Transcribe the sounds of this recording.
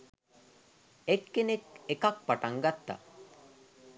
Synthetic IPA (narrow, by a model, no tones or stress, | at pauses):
ekːenekekak̚paʈaŋɡat̪ːa̰